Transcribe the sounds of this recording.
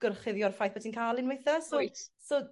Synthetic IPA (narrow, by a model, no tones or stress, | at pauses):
ɡ̥ʊrχɪðjɔrfajθbədinkʰalˠɪnwejθasɔsɔ